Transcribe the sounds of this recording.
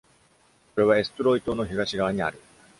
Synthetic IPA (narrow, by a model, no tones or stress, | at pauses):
ko̞ɾe̞β̞ae̞sɨ̥t̪oɾo̞it̪o̞no̞çiɡaɕiɡaβaɲ̟ia̰ɾɯ̟